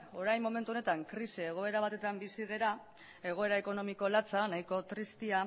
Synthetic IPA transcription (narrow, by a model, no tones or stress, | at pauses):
o̞ɾajmo̞me̞nt̪uo̞ne̞t̪aŋkɾisieɣ̞o̞e̞ɾaβ̞at̪e̞t̪ambisið̞eɾa | e̞ɣ̞o̞e̞ɾae̞ko̞no̞miko̞lat͡sanajko̞t̪ɾist̪ia